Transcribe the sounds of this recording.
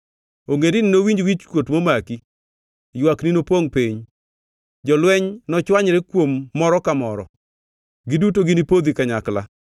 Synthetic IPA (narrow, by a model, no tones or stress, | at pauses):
oŋendɪnɪnowiɲd͡ʒwit͡ʃkwotmomaki | jwakninopoŋpiɲ | d͡ʒɔlwɛɲnɔt͡ʃwaɲɾɛkwomːɔɾɔkamɔɾɔ | ɡɪdutoɡɪnipod̪ikaɲakla̰